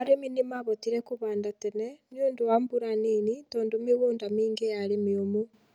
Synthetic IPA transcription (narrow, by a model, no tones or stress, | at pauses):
aɾeminimaβotiɾekuβaːndatenɛnionduwambuɾaninitoːndumiɣuːndamiːŋɡejaɾemiomu